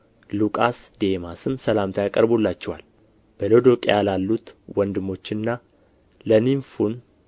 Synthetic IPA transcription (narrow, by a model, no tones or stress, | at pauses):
lukʼasd̪e̞masɨmsəlamt̪ʰajakʼəɾbolːat͡ʃːɛwa̰l | b̥əlod̪o̞kʼejalalːut̪wɔnd̪ɨmːo̞t͡ʃːɨnːa | ləniɱfun